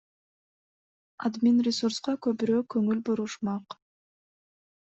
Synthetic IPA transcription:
a̰d̪mʲinrʲɪsuɾsqɑkɵpyɾøːkɵŋylbuɾuʃmɑq

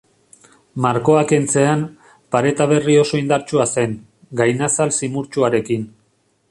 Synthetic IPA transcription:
maɾko̞ake̞nt͡se̞an | paɾe̞t̪aβ̞e̞rio̞so̞ind̪aɾt͡ʃuase̞ŋ | ɡajnasalsimuɾt͡ʃuaɾe̞kin

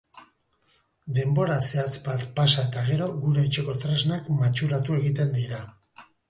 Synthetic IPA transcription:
d̪e̞mbo̞ɾase̞at͡sbat̪pasae̞t̪aɣ̞e̞ɾo̞ɣuɾet͡ʃe̞ko̞t̪ɾeznakmat͡ʃuɾat̪ue̞ɣit̪e̞nd̪iɾa

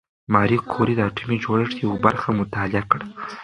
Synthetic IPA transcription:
mɑɾikʰoɾid̪əaʈʰumid͡ʒoɽəʂjawabaɾxamʊt̪ɑliakɽa

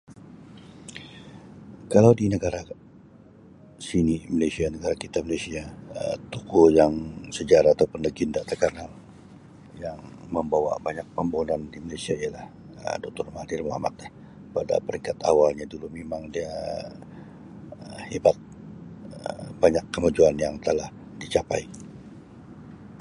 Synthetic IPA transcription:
kalawdinəɡaɾa | sinimalajsianəɡaɾakit̪amalasiaə̰t̪ukujaŋsəd͡ʒaɾaːt̪awpənəɡindat̪əkanal | jaŋ | məmbawa̰baɲak̚pəmbounandimalajsiaijalah | ə̰dɔk̚t̪ɔrmahdɪrmoɦa̰ma̰t̪̚ah | pada̰pəɾiŋkat̪a̰walɲadulumemaŋdia | əhebat̪̚ | ə̰b̥aɲakːəmad͡ʒuanjaŋt̪əlah | dit͡ʃapai

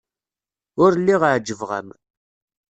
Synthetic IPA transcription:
ʊɾlːiʁʕd͡ʒːəvʁə̰m

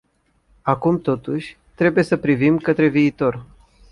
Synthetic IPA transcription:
akumt̪o̞t̪uʃʲ | t̪ɾe̞buje̞səpɾivimkət̪ɾe̞viːt̪o̞r

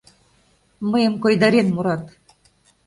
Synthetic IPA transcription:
məjə̆mkojd̪ɑɾenmuɾɑt̪

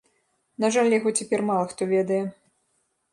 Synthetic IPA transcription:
naʐalʲjaɣɔt͡sʲɛpʲɛrmalˠɐxt̪ɔvʲɛd̪ɐjɛ

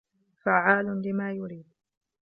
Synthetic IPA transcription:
faʕaːlʊlɪmaːjʊɾiːd̪̚

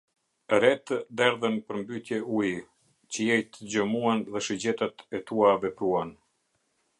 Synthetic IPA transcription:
ɾɛt̪d̪ɛɾðənpəɾmbyt̪jɛʔui | t͡ɕəjɛjt̪əd͡ʑəmuanðɛʃəd͡ʑɛt̪at̪ɛt̪uavɛpɾuan

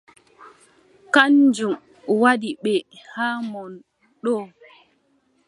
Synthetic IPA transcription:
kand͡ʒum | waɗiɓɛ | haːmɔn | ɗɔː

